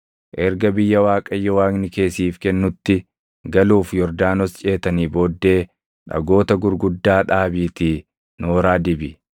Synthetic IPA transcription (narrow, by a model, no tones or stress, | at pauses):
ʔɛɾɡɐbɪjːɐwaːkʼɐjːɔwaːɡnɪke̞ːsiːfkɛnːʊt̪ːɪ | ɡɐluːfjɔɾd̪aːnɔst͡ʃʼe̞ːt̪ɐniːboːd̪ːe̞ː | ᶑɐ̰ɡo̞ːt̪ɐɡʊɾɡʊd̪ːaːᶑaːbiːt̪iː | noːɾaːd̪ɪbɪ